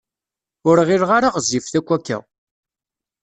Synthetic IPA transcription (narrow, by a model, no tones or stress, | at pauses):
ʊɾʁɪɾʁaɾaʁəzifθækʷːækːæ̰